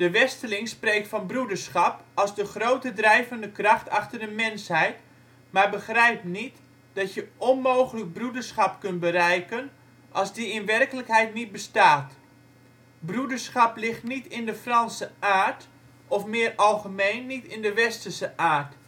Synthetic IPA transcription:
d̥əʋɛstəlɪŋspreːk̚tfɔnbrudərsχɑpɑlˠzdəχroːtədrɛjvəndəkrɑxtɑxtərdəmɪnshɛjt | marbəxrɛjp̚nit | d̥ɑtjəʔɔnmowχələk̚brudərsχɑpkɵntbərɛjkən | ʔɑlˠzdiɪnʋɛrkələkɦɛjtnit̚bəstaːt | brudərsχɑplɪxtnitɪndəfrɑnsəaːrt | ɔfmɪːrɑlˠχəmejnːitɪndəʋɛstərsəʔaːrt

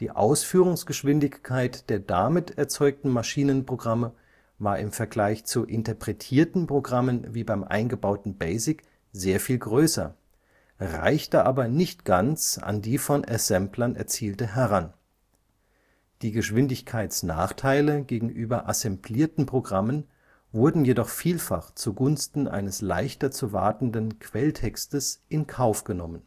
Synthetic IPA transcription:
d̥iːʔa̰ʊsfyːʁʊŋsɡ̥əʃv̥ɪndɪçkʰaɪtd̥eːɐdamɪtʰɛɐt͡sɔʏk̚tn̩maʃiːnənpʁ̥oɡʁamə | vaːɐʔɪmfɛɐɡlaɪçt͡suʔɪntɐpʁ̥ɛtʰiːɐtn̩pʁ̥oɡʁamənviːbaɪmʔa̰ɪnɡəbaʊtn̩bɛɪzɪk | zeːɐfiːlɡʁøːsɐ̰ | ʁa̰ɪçtəʔa̰ːbɐnɪçtɡ̥ant͡sa̰ndiːfɔnʔɛzɛmplɐnʔɛ̰ɐt͡siːltəɦɛʁan | d̥iːɡəʃv̥ɪndɪçkʰaɪt͡sna̰ːχtʰaɪləɡeːɡŋ̩ʔyːbɐʔasɛmbliːɐtn̩pʁ̥oɡʁamən | vʊɐdn̩jedɔχfiːlfa̰χt͡suɡʊnstn̩ʔa̰ɪnəsla̰ɪçtɐt͡suva̰ɐtn̩dənkʰv̥ɛltʰɛkstəsʔɪnkʰaʊfɡ̥ənɔmən

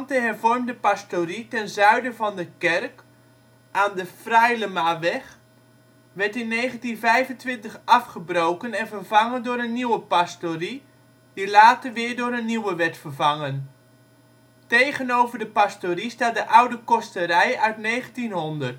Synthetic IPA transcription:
ntəɦɛrvɔrmdəpastoritɛnzœɥdəvɑndəkɛrk | ʔaːndəfrɛjləmaːʋɛχ | ʋɛɹtɪnːejχəntinvɛjvəntʋɪntəχʔɑfχəbrowkənɛnvərvɑŋəndʊːɾənːiwəpastori | dilaːtərʋɪːɹdʊːɾənːiwəʋɛtfərvɑŋən | tejχənowvərdəpastoristaːt̚dəʔawdəkɔstərɛjœɥtnejχəntinɦʊndərt

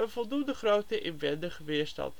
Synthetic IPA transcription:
ənvɔlˠdundəχrowtəʔɪnʋɛndəχəʋɪːɹstɑ̰nt

